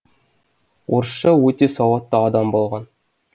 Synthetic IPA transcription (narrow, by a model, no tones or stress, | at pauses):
urʃɤut̪ʲesɑwɑt̪ːɑːd̪ɑmbolˠʁɑn